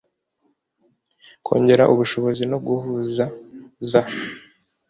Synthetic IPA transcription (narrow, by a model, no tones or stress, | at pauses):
kʰo̞̰ːɲɟe̞ɾaʔuβuʃo̞βo̞zinob̚ɡuhuzaza